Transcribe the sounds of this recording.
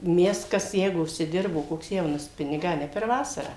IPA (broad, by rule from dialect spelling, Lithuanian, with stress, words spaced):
ˈmʲɛs ˈkɐs ˈjɛɪɡʊ ʊʃʲsʲɪˈdʲɪrboː koːks ˈjɛʊnɐs ˈpʲɪnʲɪɡɑː ɐ ˈnʲɛ pʲɛr ˈʋɑːsɐrɑː